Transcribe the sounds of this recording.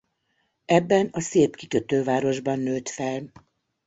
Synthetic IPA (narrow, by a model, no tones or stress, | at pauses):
ɛbːɛnɒseːpkikøt̪øːvaːɾo̞ʒbɒnːøːt̪fɛl